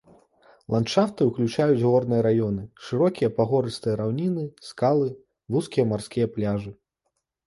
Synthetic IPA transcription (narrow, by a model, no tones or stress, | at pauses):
lˠant͡ʂaft̪ɨwklʲut͡ʂajud͡zʲɣɔrnɨjɐɾajɔnɨʂɨɾɔkʲijɐpaɣɔɾɨst̪ɨjɐɾawnʲinɨskalˠɨ | vuskʲijɐmarskʲijɐplʲaʐɨ